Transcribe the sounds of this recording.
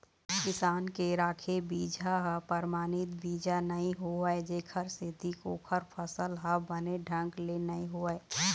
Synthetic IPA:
kɪsaːnkeɾaːkʰebiːd͡ʒʱaɦəpəɾmaːnɪt̪biːd͡ʒʱanəɦĩɦoəed͡ʒeːkʰəɾsed̪ʱikoːkʰəɾpʰəsəlɦəbəneɖʱə̃ŋɡlenəĩɦoəe

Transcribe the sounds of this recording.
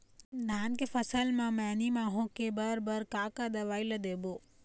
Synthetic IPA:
naːnkefəsəlmãːmɛ̃ːnimãːɦõːkebəɾbəɾkaːkad̪əʋaːiləd̪eːboː

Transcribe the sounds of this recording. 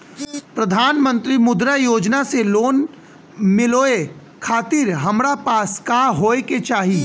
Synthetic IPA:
pɾɐd̪ʱaːnmə̃nt̪ɾimʊd̪ɾajoːd͡ʒnaseloːn | mɪloːe | kʰaːt̪iɾɦɐmɾapaːskaːɦoːeket͡ʃaːɦi

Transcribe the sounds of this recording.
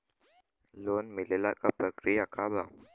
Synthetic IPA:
loːnmɪlelakapɾəkɾijakʰabaː

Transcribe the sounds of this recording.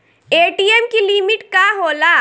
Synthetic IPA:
eːʈiːemkilimɪʈkaɦoːla

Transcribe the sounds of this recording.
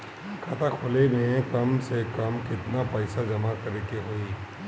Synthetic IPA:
kʰɐt̪ʰakʰoːlemẽkɐmsekɐmkɪt̪napɛːsad͡ʒɐmakɐɾeːkeɦoi

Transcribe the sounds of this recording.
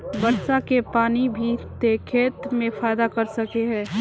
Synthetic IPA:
bɐɾʃakepaːnibʱit̪ekʰeːt̪mẽfaːjd̪akɐɾsɐkeɦɛ̃ː

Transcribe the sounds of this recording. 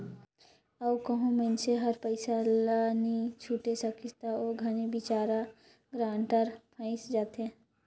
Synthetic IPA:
əwkəɦũmenseɦəɾpəɪsalanit͡ʃʰuːʈesəkʰit̪aoːɡʱɐnibɪt͡ʃaːɾa | ɡɾãːɳʈəɾpʰə̃ːɪsd͡ʒaːt̪ɦɛ̃ː

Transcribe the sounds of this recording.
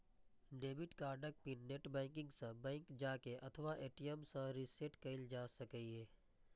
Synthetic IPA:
ɖeːmɪʈkaːɾɖək̚pineʈbɛ̃ːŋkɪ̃ŋɡsə̃bɛ̃ːŋkd͡ʒaːkeʔɐt̪ʰʋaʔeːʈijəmsə̃ɾiseːʈkɐɪld͡ʒaːsɐkəiɦeː

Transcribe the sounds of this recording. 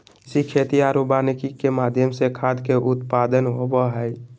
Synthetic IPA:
sikʰet̪iaɾubaːnikikemaːd̪ʱjəmsekʰaːd̪keʔʊt̪pad̪ənɦobəɦəj

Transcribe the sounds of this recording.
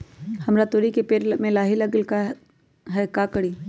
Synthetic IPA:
hɐmɾat̪oɾikepeːɾmẽlaːɦilaɡɪlka | ɦɛkakəɽiː

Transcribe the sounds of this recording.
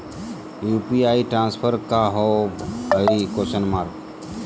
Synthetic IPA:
juːpiaːiʈɾãːnspʰəɾkaɦobəɪɾikoːʃənmaːɾk

